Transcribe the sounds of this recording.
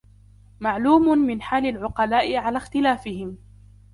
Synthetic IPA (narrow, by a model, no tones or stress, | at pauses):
maʕluːmʊmɪnħaːlalʕʊqɑlaːʔɪʕalaːxt̪ɪlaːfɪhɪm